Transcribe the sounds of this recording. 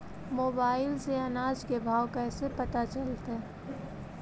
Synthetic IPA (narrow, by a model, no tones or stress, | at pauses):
moːbaːɪlseɐnaːd͡ʒkebʱaːwkɛːsepɐt̪at͡ʃəlt̪e